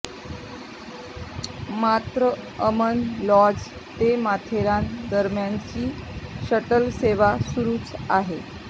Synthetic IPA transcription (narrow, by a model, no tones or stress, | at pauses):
mat̪ɾəəmənlɔd͡z | t̪emat̪ʰeɾãnd̪əɾmjaɲt͡ɕiːɕəʈəlseʋasuɾuːt͡saɦe